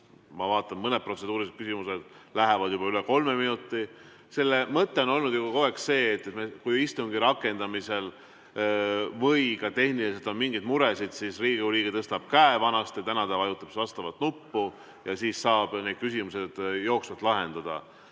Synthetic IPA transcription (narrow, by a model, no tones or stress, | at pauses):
mɑvɑːt̪ːˑɑmmɤned̪̚pro̞t̪se̞d̪uːɾiset̪kysimuse̞d̪̥læɦevɑd̪̥jubɑyleko̞lme̞minut̪ːˑi | se̞lːemɤt̪ːe̞o̞no̞lnud̪jub̥ɑko̞e̞ksse̞ːt̪ːmekujist̪uŋɡ̥iɾɑkːˑe̞nd̪̥ɑmise̞l | vɤ̞jkɑt̪e̞hnilise̞lt̪onmiŋɡijd̪̚muɾe̞sid̪̥sisriːɡiuliːɡet̪ɤst̪ɑb̥̚kæevɑnɑst̪jɑt̪ænɑd̪æɑjut̪ːˑɑb̥svɑst̪ɑvɑt̪nupːu | jɑsiːssɑːb̥ne̞d̪̚kysimuse̞d̪̥jo̞ːksvɑt̪lɑɦe̞nd̪̥ɑd̪̥ɑ̰